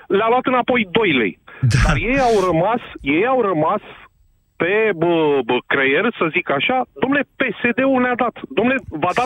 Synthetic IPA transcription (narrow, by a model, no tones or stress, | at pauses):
laluat̪ɨnapo̞jd̪o̞jle̞̰jd̪d̪aɾje̞jawrəmasje̞jawɾəmas | pe̞bəkɾeje̞rsəzikaʃad̪o̞mnlepe̞se̞d̪e̞ulnead̪at̪d̪omnlevad̪a